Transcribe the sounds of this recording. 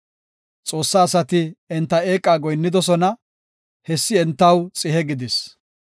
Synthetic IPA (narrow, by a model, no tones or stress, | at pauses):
t͡sʼo̞ːsːaːsɐt̪ɪɛnt̪ːɐeːkʼːaːɡɔjnːɪd̪ɔsɔnɐ | hɛsːɪɛnt̪ːɐwt͡sʼɪɦɛɡɪd̪ɪs